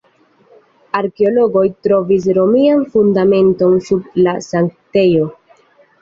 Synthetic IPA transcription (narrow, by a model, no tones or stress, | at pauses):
aɾkeo̞loɡo̞jtɾo̞vis̬ɾo̞mianfundame̞nto̞nsublasaŋkte̞jo̞